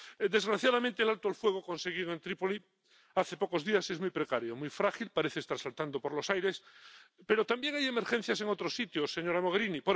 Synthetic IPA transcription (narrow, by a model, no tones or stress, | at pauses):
d̪e̞zɣɾaθjaðamẽnt̪elalt̪oalfwe̞ɣ̞okõ̞nseɣ̞iðoent̪ɾipoli | aθe̞po̞ko̞zðiasezmujpɾekaɾjomujfɾaxilpaɾeθest̪aɾsalt̪and̪opoɾlo̞sajɾespe̞ɾot̪ambje̞ŋaje̞meɾxen̟θjaseŋo̞t̪ɾosit̪josːe̞ɲo̞ɾamoɣ̞eɾinipo